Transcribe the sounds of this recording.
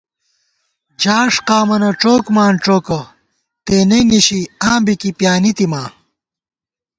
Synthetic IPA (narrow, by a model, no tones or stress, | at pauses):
d͡ʑaːʂqaːmɐnɐʈ͡ʂoːkmaːnʈ͡ʂoːkɐ | t̪eːneniɕiãːmbikipjaːnit̪imaː